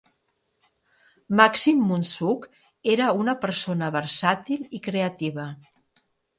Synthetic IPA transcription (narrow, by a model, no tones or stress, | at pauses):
maksimːunsuk | eɾəunəpəɾsonəβəɾsat̪ilikɾeət̪iβə